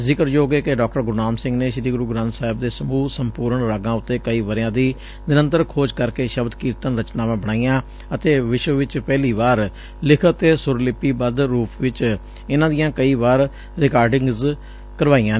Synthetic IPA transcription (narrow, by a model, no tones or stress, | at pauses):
zɪkəɾjoːɡeːkeɖɔːk̚ʈəɾɡʊɾnaːmsɪ̃ŋɡneːʃɪɾiːɡɾuːɡɾãːnt̪saːɪb̚d̪eːsəmuːsəmpuːɾəɳɾaːɡãːʊt̪ːeːkəiːʋəɾjãːd̪iː | nɪɾənt̪əɾkʰoːd͡ʒkəɾkeːʃəbd̪kiːɾt̪ənɾət͡ʃnaːʋãːbəɽ̃aːijãː | ət̪eːʋɪʃʋəʋɪt͡ʃpɛːliːʋaːɾ | lɪkʰət̪esʊɾlɪpːiːbəd̪ɾuːpʋɪt͡ʃ | ɪnãːd̪ɪjãːkəiːʋaːɾ | ɾɪkaːɾɖɪŋɡz | kəɾʋaːijãː